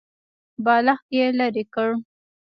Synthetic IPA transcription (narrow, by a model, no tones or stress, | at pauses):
bɑlaxtjelaɾikəɽ